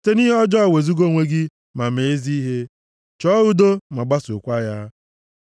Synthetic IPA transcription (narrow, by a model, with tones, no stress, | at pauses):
te˦ni˦ɦe˦ɔ˦d͡ʒɔ˦ɔ˦˨we˨zu˦ɡo˦˨ŋʷe˦ɡɪ˦ | ma˨me˨e˦zi˦i˦ɦe˦ | t͡ʃɔ˦u˦do˦ma˨ɡ͡ba˦su˨kʷa˦ja˦